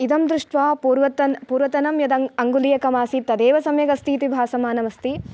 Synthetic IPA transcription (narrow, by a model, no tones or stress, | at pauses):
id̪ɐmd̪ɾuʂʈʋaːpuɾʋɐt̪ɐnpuːɾʋɐt̪ɐnɐmjɐd̪ɐɐŋɡulijɐkɐmaːsit̪ɐd̪eːʋɐsɐmjɐɡɐst̪iːt̪ibʱaːsɐmaːnɐʋɐst̪i